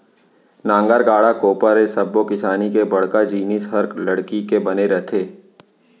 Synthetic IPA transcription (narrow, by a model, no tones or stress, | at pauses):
nãːŋɡaɾɡaːɽakoːpəɾesɐbːokɪsaːnikebɐɽ̤kad͡ʒiːnisɦɐɾklɐɽkikebɐneɾɛt̪ʰeː